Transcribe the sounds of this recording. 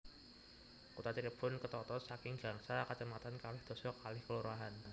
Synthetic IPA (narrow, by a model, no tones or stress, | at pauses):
kut̪at̪eleb̥ʊnkət̪ɔt̪ɔsakɪŋɡaŋsɾakət͡ʃəmat̪ankalɪhd̪̥o̤sɔkalɪhkəluɾaɦan